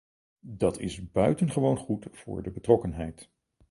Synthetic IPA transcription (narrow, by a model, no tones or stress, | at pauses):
dɑtɪ̰zbœɥtənχəʋownχutfʊ̰ːɹdəbətrɔkənɦɛjt